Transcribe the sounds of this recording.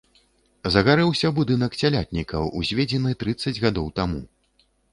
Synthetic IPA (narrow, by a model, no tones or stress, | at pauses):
zɐɣaɾɛwsʲɐbud̪ɨnɐksʲalʲat̪̚ʲnʲikɐwuzʲvʲed͡zʲɛnɨt̪ɾɨt̪sːɐd͡zʲɣad̪ɔwt̪amṵ